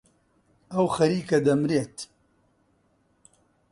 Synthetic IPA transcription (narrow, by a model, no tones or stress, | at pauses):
ɐwxɐɾiːkɐd̪ɐmɾeːt̪